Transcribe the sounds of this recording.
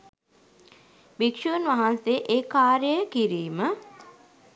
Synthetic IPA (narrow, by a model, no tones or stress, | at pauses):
bikʂuːnʋaɦanseʔeːkaːɾjəjəkiɾiːmə